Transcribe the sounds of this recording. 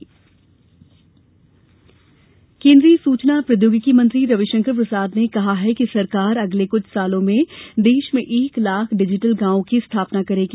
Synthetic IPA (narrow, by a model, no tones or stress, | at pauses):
kẽːnd̪ɾiːsuːt͡ʃnapɾɐd̪joːɡɪkimə̃nt̪ɾiɾɐʋɪʃə̃ŋkəɾpɾɐsaːd̪nekɐɦaɦɛkisɐɾkaːɾɐɡlekʊt͡ʃʰsaːlõmẽd̪eːʃmẽʔeːklaːkʰɖɪd͡ʒɪʈəlɡãːõkist̪ʰaːpnakɐɾeɡ